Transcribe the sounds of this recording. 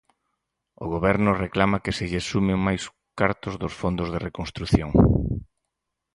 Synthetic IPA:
ʊɣ̞oβɛɾnʊreklamakesɪʎesumɪŋmajs | kaɾt̪ʊzðʊsfond̪ʊzðerekonst̪ɾuθjoŋ

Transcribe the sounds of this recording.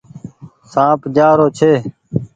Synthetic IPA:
sãːpd͡ʒaːɾoːt͡ʃʰeː

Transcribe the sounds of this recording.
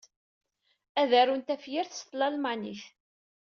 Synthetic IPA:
æðærunt̪æfjɪɾθst̪lɑlmaniθ

